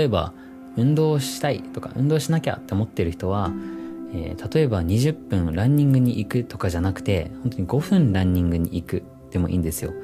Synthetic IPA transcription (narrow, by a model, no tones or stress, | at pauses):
oe̞ba̰ | ɯ̟̃nd̪o̞ːɕi̥t̪ait̪o̞ka̰ʔɯ̟̃nd̪oːɕinakʲa̰t̪ːe̞o̞mo̞t̪ːe̞ɾɯ̟çi̥t̪o̞βa | ḛːt̪at̪o̞e̞baɲ̟iʑɨpːɯ̟̃nɾãɲ̟ːĩŋɡɯ̟ɲ̟iʔikɯ̟t̪o̞kaʑanakɯ̥t̪e̞hont̪o̞ɲ̟iɡo̞ɸɯ̟̃nɾãɲ̟ːĩŋɡɯ̟ɲ̟iʔikɯ̟ | d̪̥e̞mo̞ʔḭːnd̪esɨjo̞̰